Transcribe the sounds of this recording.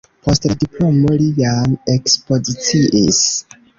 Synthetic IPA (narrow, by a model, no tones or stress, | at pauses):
pʰostedipʰlomolianekspozit͡siʔḭs